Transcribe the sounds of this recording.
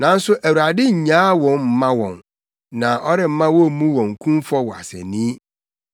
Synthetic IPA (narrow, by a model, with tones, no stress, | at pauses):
nã˨n̩˦sʊ˦ʔæ˨wu˨ɾa˨dɪ˦ɲ̩˨ɲã˦wɔ̃˨nm̩˦mã˦wɔ̰̃˨n | nã˨ʔɔ˦ɾɪ˦˨m̩˦mã˦wɔ˦˨mũ˦wɔ̃˨ŋ̩˨kʰũ˦m˦fɔ˦wɔ˨a̰˨sɛ̰˨nĩ˦